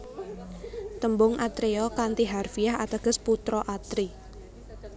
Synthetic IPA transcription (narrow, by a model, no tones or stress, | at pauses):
t̪əmbʊŋʔat̪ɾeɔkant̪iɦarfijaɦat̪əɡ̥ə̤sput̪ɾɔʔat̪ɾi